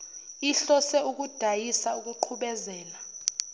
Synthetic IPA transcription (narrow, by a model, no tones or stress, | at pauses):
iɬɔsɛuk̬ud̥ʱajisauk̬uǃʰuɓɛzɛːla